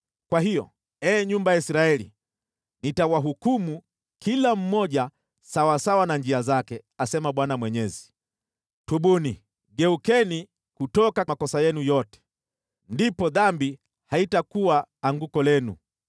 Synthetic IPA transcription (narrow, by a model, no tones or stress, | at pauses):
kwaɦijɔ̰ | ɛːɲumbajaisɾaɛlḭ | nitawaɦukumu | kilam̩mɔʄa | sawasawanand͡ʒiazakɛasɛmaɓwanamwɛɲɛzi̥ | tuɓuni | ɠɛukɛni | kutɔkamakɔsajɛnujɔtɛ̥ | ndipɔðambi | haitakuwaːŋɡukɔlɛnṵ